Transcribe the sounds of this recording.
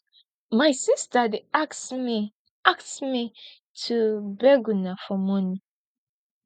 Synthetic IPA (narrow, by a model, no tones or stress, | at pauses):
majsistadeakmi | aksmi | tʰubɛɡunafɔmɔ̃ni